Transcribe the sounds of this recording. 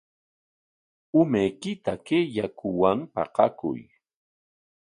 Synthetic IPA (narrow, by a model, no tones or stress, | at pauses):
ʊmajkɪt̪akejakʊwampɑ̰qɑkʊ̰j